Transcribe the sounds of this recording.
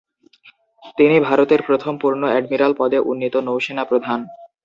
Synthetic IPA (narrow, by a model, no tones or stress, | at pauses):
t̪inibʱaɾot̪eɾpɾot̪ʰompuɾnoɛɖmiɾalpɔd̪eʔunːit̪onowʃenapɾod̪ʱan